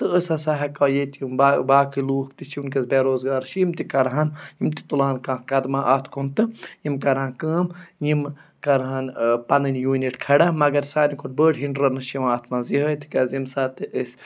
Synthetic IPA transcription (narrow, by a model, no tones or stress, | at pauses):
t̪ɨəsɐsaɦɐkaːjet̪jumbabaːkiluːkt̪it͡ʃʰiunkɐsbeːɾoːzɡaːɾʃiimt̪ikɐɾɦanjimt̪i̥t̪ulaːnkãːkɐd̪mãːʔaːt̪ʰkʰunt̪ɨjimkɐɾɦãːnkɐ̃ːmjimkɐɾɦanpɐnɨnjuːniʈkʰɐɽamɐɡɐɾsaːnikʰoʈbəːɽɦiɳɖɾɐnɨʃimaːt̪ʰmanziɦət̪ʰi̥kɐzimsaːt̪iʔəs